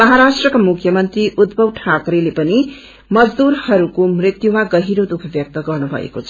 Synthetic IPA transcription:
mʌɦaɾasʈrʌkamukʰjʌmʌnt̪riʔud̪̚bʱʌwʈʰakɾilepʌni | mʌd͡zd̪uɾhʌɾukomrit̪jumaɡʌɦiɾod̪ukʰʌbjʌk̚t̪ʌɡʌrnubʱʌ̰ḛkot͡sʰʌ̥

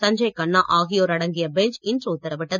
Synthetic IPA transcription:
sɐɲd͡ʒɐɪkɐnːaːʔaːɣɪjoːɾɐɽɐŋɡɪjɐbɛɲt͡ʃɪndɾɯʊt̪ːɐɾɐpːɪʈːɐ

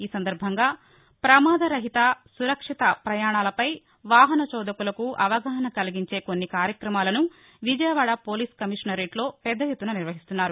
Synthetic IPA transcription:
iːsɐnd̪ɐɾbʱɐŋɡaː | pɾɐmaːd̪ɐɾɐɦit̪ɐsuɾɐkʂit̪ɐpɾɐjaːɳaːlɐpɐj | ʋaːɦɐnɐt͡ʃɔːd̪ɐkulɐkuʔɐʋɐɡɐɦɐnɐkɐliɡiɲt͡ʃe̞ːko̞nːikaːɾjɐkɾɐmaːlɐnu | ʋid͡ʒɐjɐʋaːɽɐpoːliːskɐmiʂnɐɾeːʈlo̞ːpɛd̪ːɐjut̪ːunɐniɾʋɐɦist̪unːaːɾu

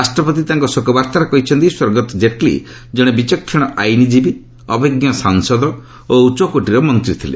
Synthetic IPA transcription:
asʈɾɔpɔt̪it̪aŋkɔsokɔbaɾt̪aɾɔkɔɦit͡ʃʰɔnt̪iswɔɾɡɔt̪ɔd͡ʒeʈlḭ | d͡ʒɔɽ̃ebit͡ʃɔkʰːẽɔʔajnid͡ʒibi | ɔbeɡjɔsaŋsɔd̪ʱɔ | out͡ʃɔkoʈiɾɔmɔnt̪ɾit̪ʰilḛ

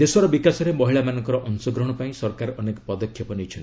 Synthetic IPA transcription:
d̪eswaɾɔbikasɔɾemɔɦiɭamanɔŋkɔɾɔʔɔnsɔɡɾɔɦɽ̃ɔpaĩsɔɾkaɾɔnekɔpɔd̪ɔkʰːjɔpɔnijt͡ʃʰɔn

